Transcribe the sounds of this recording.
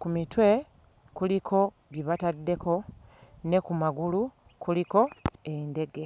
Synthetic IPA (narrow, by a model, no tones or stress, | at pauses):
kumitwe̞ | kulikʰo̞ | βiβatadːe̞ko̞ne̞kumaɡulu | kuliko̞ende̞ɡe̞